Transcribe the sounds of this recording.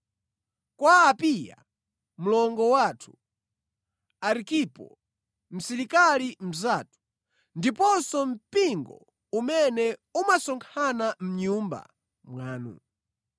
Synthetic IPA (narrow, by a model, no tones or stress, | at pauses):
kwaːpija̰ | m̩lɔŋɡɔwatʰu̥ | aɾikipɔ̰ | m̩sɛɾikalim̩zaːtu̥ | ndipɔsɔm̩piŋɡɔ̰ | umɛnɛumasɔŋkʰanam̩ɲumba̰ | mwaːnṵ